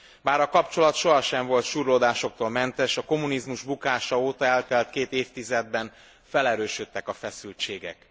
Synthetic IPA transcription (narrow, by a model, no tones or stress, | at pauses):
baːɾɒkɒpt͡ʃo̞lɒt̪ʃo̞ɦɒʃɛɱvo̞lt̪ʃuːrloːd̪aːʃo̞k̚t̪oːlmɛnt̪ɛʃɒko̞munizmuʒbukaːʃɒoːt̪ɒɛlt̪ɛlt̪keːt̪eːft̪izɛd̪̚bɛn | fɛlɛɾøːʃøt̪ːɛkɒfɛsylt͡ʃeːɡɛ̰k